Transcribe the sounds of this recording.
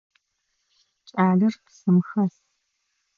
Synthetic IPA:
t͡ʃʼaːɮɨrpsɨmxɐs

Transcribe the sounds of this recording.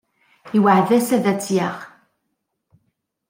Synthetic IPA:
iwaʕðæsæðæt͡sːjaʁ

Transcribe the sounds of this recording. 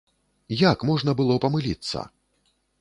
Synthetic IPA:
jakmɔʐnɐbɨlˠɔpɐmɨlʲit̪sːɐ̰

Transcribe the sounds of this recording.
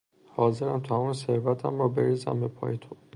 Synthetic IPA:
hɒːzeɾæmt̪ʰæmunseɾvæt̪ʰæ̰mɾɔːbeɾizæ̰mbepʰɒ̰ːjet̪ʰo

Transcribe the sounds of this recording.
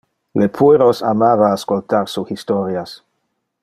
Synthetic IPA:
lepʰueɾosamavaːskolt̪aɾsuxist̪oɾjas

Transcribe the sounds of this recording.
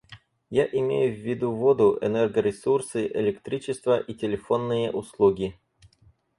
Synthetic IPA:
jaʔɪmʲejʊvʲːɪd̪uvod̪ʊʔɛ̰nɛrɡəɾʲɪsursɨʔɪlʲɪkt̪ɾʲit͡ɕɪst̪vəʔitʲɪlʲɪfo̞nːɨjəʔʊslˠuɡʲɪ

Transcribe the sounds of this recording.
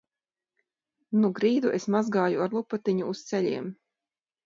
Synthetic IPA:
nuɡɾiːd̪uʔesmazɡaːjuaɾlˠupat̪iɲuːst̪seʎʲiɛm

